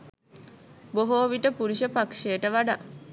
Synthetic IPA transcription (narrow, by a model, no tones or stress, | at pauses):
boɦoːʋiʈəpuɾiʃəpakʂejʈəʋaɖa